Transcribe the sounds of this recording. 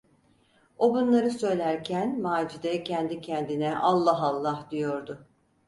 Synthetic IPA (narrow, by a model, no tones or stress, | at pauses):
o̞bunlˠaɾɯsø̞jlʲæɾcʰænmaːd͡ʒid̪ɛcʰɛnd̪icʰɛnd̪inɛʔalˠːaɦalˠːahd̪ijo̞ɾd̪ʊ